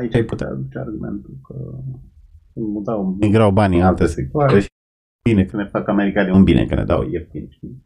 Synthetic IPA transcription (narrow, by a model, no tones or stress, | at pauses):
ait͡ʃajput̪ea̰ːd̪ut͡ʃea̰rɡume̞̰nt̪ukʰə | ɨnmut̪awmiɡɾawbanʲɨnalt̪esekuaɾeʃ | binekənefakameɾikaliunbinḛkənḛd̪a̰wjekinit͡ʃi